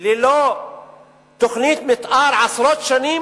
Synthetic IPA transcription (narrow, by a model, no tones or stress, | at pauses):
lɪlo | t̪ʊxniːt̪mɪt̪ʔɑːɾˤʕɑsɾoːt̪ʃaniː